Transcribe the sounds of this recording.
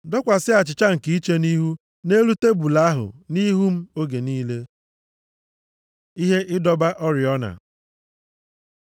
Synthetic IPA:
dɔ˦kʷa˨sɪ˦a˨t͡ʃɪ˨t͡ʃa˦ŋ̩˨ki˨˦i˦t͡ʃe˦ni˦ɦu˦ | ne˦ɾu˦te˦bu˨la˦a˦ɦʊ̰˨ni˦ɦu˦m̩˦o˦ɡe˨niː˦le˦ | i˦ɦe˦ʔɪ˦dɔ˦ba˦ʔɔ˦ɾɪ˨ɔ˦na̰˨

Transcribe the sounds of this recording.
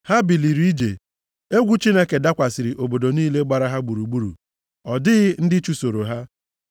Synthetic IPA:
ha˦bi˨li˨ɾi˦i˦d͡ʒe˨ | e˦ɡʷu˦t͡ʃi˦ne˦ke˨da˦kʷa˨sɪ˨ɾi˨ʔo˨bo˨do˨niː˦le˦ɡ͡ba˨ɾa˦ɦa˦ɡ͡bu˨ɾu˨ɡ͡bu˦ɾṵ˨ | ɔ˨dɪ˦ɣɪ˦n̩˦dɪ˦t͡ʃu˦so˨ɾo˨ɦa˦

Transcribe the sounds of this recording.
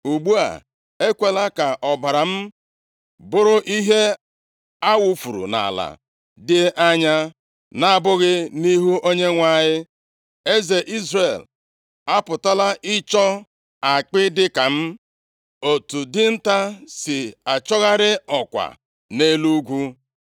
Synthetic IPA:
u˨ɡ͡bu˦a̰˨ | e˦kʷe˨la˦ka˨ʔɔ˨ba˨ɾa˨m̩˦ | bʊ˦ɾʊ˦ʔi˦ɦe˦ | a˦wu˦fu˨ɾṵ˨na̰˨la̰˨ | dɪ˦ʔa˦ɲa˦ | na˦a˦bʊ˦ɣɪ˦ni˦ɦu˦ʔo˦ɲe˦ŋʷa˨ɲɪ˦ | e˦ze˨ʔi˦zre˨l | a˦pʊ˨ta˦la˦ʔɪ˦t͡ʃɔ˦ | a˨k͡pɪ˦dɪ˦ka˨m̩˦ | o˨tu˨dɪ˦n̩˦ta˦sɪ˨a˨t͡ʃɔ˦ɣa˦ɾɪ˦ɔ˨kʷa̰˨ | ne˦lu˦ɡʷu˦

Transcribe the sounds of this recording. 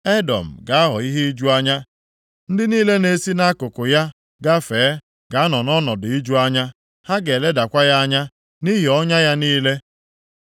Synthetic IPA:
e˦dɔ̰˨m̩˨ɡa˨a˦ɦɔ˨i˦ɦe˦i˦d͡ʒu˦a˦ɲa˦ | n̩˦dɪ˦niː˦le˦ne˦si˦na˦kʊ˨kʊ˨ja˦ | ɡa˦feː˨˦ | ɡ̥a˨a˦nɔ˨nɔ˦nɔ˨dʊ˨i˦d͡ʒu˦a˦ɲa˦ | ha˦ɡe˨le˦da˨kʷa˦ja˦a˦ɲa˦ | ni˦ɦi˨ɔ˦ɲa˦ja˦niː˦le˦

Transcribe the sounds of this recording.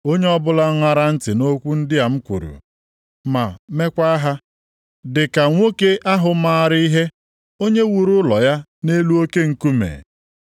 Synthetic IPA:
o˦ɲe˦ɔ˦bʊ˦la˦ŋʷa˦ɾa˦n̩˦tɪ˨no˦kʷu˦n̩˦dɪ˦a˨m̩˦kʷṵ˨ɾṵ˨ | ma˨me˦kʷa˦ɦa˦ | dɪ˨ka˨ŋʷo˦ke˦ʔa˦ɦʊ˨maː˦ɾɪ˦i˦ɦe˦ | o˦ɲe˦wu˨ɾʊ˦lɔ˨ja˦ne˦lu˦o˦ke˦ŋ̩˦ku˦mḛ˨

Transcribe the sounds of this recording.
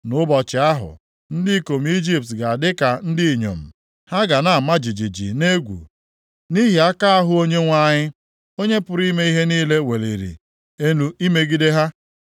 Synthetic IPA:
nʊ˦bɔ˨t͡ʃɪ˨a˦ɦʊ̰˨ | n̩˦dɪ˦i˦ko˨m̩˦i˦d͡ʒi˦p̚tɡa˨a˨dɪ˦ka˨n̩˦dɪ˦˨ɲo̰˨m̩˨ | ha˦ɡa˨na˨a˨ma˦d͡ʒi˨d͡ʒi˨d͡ʒḭ˨ne˦ɡʷṵ˨ | ni˦ɦi˨a˦ka˦a˦ɦʊ˦o˦ɲe˦ŋʷa˦ɲɪ˦ | o˦ɲe˦pʊ˨ɾi˦me˦i˦ɦe˦niː˦le˦we˨lḭ˨ɾḭ˨ | e˦nu˨i˦me˦ɡi˦de˦ɦa˦

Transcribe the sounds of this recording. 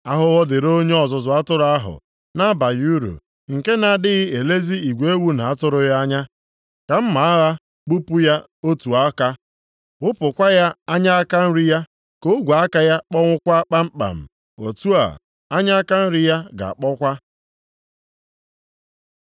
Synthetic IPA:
a˦ɦʊ˦ɣɔ˦dɪ˨ɾo˦ɲe˦ɔ˨zʊ˨zʊ˨˦a˦tʊ˦ɾa˦ɦʊ̰˨ | na˦ba˨ju˦ɾṵ˨ | ŋ̩˨ke˦na˨dɪ˦ɣɪ˦e˨le˦zi˦i˨ɡʷe˦e˦wu˦na˨a˦tʊ˦ɾʊ˦ja˦ɲa˦ | ka˨m̩˦ma˨a˦ɣa˦ | k͡pu˦pu˦ja˦ | o˦tu˨a˦ka˦ | ʊ˦pʊ˨kʷa˦ja˦a˦ɲa˦a˦ka˦n̩˦ɾɪ˦ja˦ | ko˦ɡʷa˨a˦ka˦ja˦k͡pɔ˦ŋʷʊ˦kʷa˦k͡pa˦m̩˦k͡pa̰˨m̩˨ | o˨tu˦a̰˨ | a˦ɲa˦a˦ka˦n̩˦ɾɪ˦ja˦ɡa̰˨a˨k͡pɔ˦kʷa˦

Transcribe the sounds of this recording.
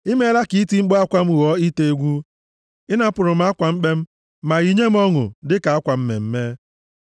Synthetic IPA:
i˦me˦la˦ki˨i˦ti˨ŋ͡m̩˦ɡ͡bɔ˦a˦kʷa˦m̩˦wɔ˦i˦te˦e˦ɡʷu˦ | ɪ˦na˨˦pʊ˨ɾʊ˨m̩˨˦a˦kʷa˨ŋ͡m̩˦k͡pe˦m̩˦ | ma˨ɣi˨ɲe˦m̩˦ɔ˦ŋʊ̰˨dɪ˦ka˨a˦kʷa˨m̩˦mḛ˨m̩˦me˦

